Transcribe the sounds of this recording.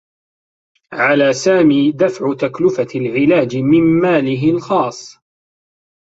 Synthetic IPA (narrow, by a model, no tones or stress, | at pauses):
ʕalaːsaːmiːd̪afʕʊt̪aklʊfalʕɪlaːd͡ʒmɪmːaːlɪɦɪlxɑːsˤ